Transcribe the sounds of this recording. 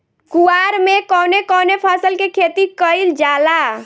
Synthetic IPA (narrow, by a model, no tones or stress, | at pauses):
kuaɾmekɔnekɔnepʰasəlkekʰet̪ikəjld͡ʒala